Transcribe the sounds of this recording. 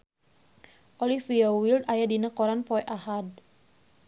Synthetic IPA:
ʔɔlifiawild̪ajadinakɔɾanpɔɛʔahad̚

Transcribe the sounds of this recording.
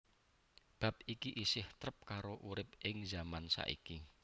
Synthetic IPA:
b̥a̤p̚ikiʔisɪht̪ɾəp̚kaɾoʔuɾɪp̚ɪŋzamansa̰ʔḭki

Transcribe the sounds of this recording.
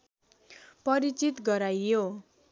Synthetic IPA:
pʌɾit͡sit̪ɡʌɾajːo

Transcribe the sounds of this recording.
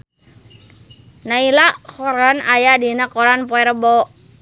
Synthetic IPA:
nailakɔɾanajadinakɔɾanpɔɛɾəbɔ

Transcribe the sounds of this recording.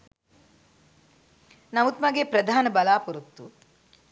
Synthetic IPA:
nɐʋut̪mɐɡepɾɐd̪ʱaːnɐbɐlaːpuɾut̪ːu

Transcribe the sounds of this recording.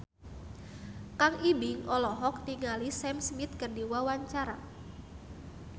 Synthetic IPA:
kaŋʔibɪŋʔɔlɔɦɔk̚t̪iŋalisɛmsmit̪̚kərdiwawaɲt͡ʃaɾa̰

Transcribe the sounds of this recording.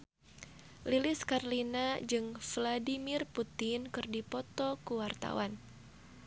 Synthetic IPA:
lilɪskarlinad͡ʒɨŋfladimɪrput̪ɪnkɨrdipɔt̪ɔkuwart̪a̰wan

